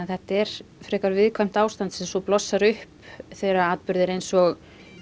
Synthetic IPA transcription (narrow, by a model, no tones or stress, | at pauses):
θɛht̪ɛɾ̥fɾɛːkaɾvɪðkʰvajm̥t̪aːwst̪ant̪sɛmsɔplɔsːaɾʏhpθejɾaaːðt̪pʏɾðɪɾejnsɔɣ